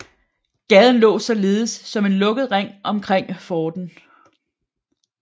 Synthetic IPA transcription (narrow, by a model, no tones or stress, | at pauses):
ɡ̥ɛðˠn̩lɔ̰̽ːsɒ̽le̝ːð̩ˠsːɒ̽me̝nlɔ̽ɡ̥ð̞̩ˠʁaŋ̰ʔɒ̽mkʰʁeŋ̰fɒːd̥n̩